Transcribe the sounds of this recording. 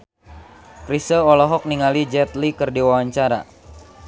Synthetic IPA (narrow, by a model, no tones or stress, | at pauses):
kɾisəlɔlɔɦɔk̚niŋalid͡ʒɛt̪likɨrdiwawaɲt͡ʃaɾa̰